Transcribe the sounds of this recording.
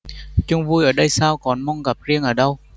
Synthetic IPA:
t͡ɕʊ˧ŋ͡mvu˧jʔəː˧˩ɗə˧jsaː˧wkɔ˨˩nmɔ˧wŋ͡mɣa˨˩p̚zi˧əŋʔəː˧˩ɗə˧w

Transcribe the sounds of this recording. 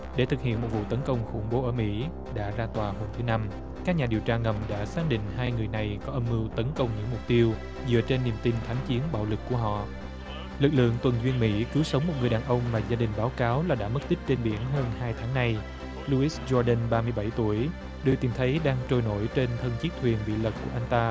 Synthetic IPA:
ɗe˧˩t̪ʰɨ˨˩k̚hḭ˧˨ənmo˨˩t̚vṵ˧˨t̪ə˨˦nkə˧wŋ͡mxʊ̰˧˩ŋ͡mɓo˨˦ʔəː˧˩mḭ˧˥ | ɗa̰ː˧˥zaː˧t̪waː˨˩ɦo˧mt̪ʰɨ˨˦na˧m | kaː˦˥k̚ɲaː˨˩i˨˩əwt͡ɕaː˧ŋə˨˩mɗa̰ː˧˥saː˦˥k̚ɗḭ̈˧˨ŋ̟ɦaː˧jŋɨ˨˩əjna˨˩jkɔ˨˦ʔə˧mːɨ˧wt̪ə˨˦nkə˧wŋ͡mɲɨ̰˧˥ŋmʊ˨˩k͡p̚t̪i˧əw | zɨ̰˧˨ət͡ɕe˧nːi˨˩əmt̪i˧nt̪ʰaː˨˦ŋt͡ɕi˨˦ənɓa̰ː˧˨wlɨ˨˩kːu˧˩əɦɔ̰˧˨ | lɨ˨˩k̚lɨ̰˧˨əŋt̪wə˨˩nzwi˧ənmḭ˧˥kɨ˨˦wsə˨˦wŋ͡mmːo˨˩t̚ŋɨ˨˩jɗaː˨˩nʔə˧wŋ͡mmaː˨˩zaː˧ɗï˨˩ŋ̟ɓaː˨˦wkaː˨˦wlaː˨˩ɗa̰ː˧˥mə˦˥k̚t̪ï˦˥k̚t͡ɕe˧nɓḭ˧˩ənɦəː˧nhaː˧jt̪ʰaː˨˦ŋna˧j | lu˧ʔi˦˥zɔ˧ɗə˧nɓaː˧mɨ˧əjɓa˧˩jt̪u˧˩əj | ɗɨ˨˩wt̪i˨˩mt̪ʰə˨˦jɗaː˧ŋt͡ɕo˧˩jno̰˧˥˩jt͡ɕe˧nt̪ʰə˧nt͡ɕi˦˥k̚t̪ʰwi˨˩ənɓḭ˧˨lə˨˩kːu˧˩əʔa˧jŋ̟t̪aː˧

